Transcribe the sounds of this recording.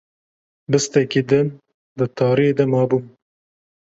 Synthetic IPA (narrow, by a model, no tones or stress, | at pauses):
bɨst̪ɛkid̪ɨn | d̪ɨt̪ʰɑːɾijed̪ɐmɑːbum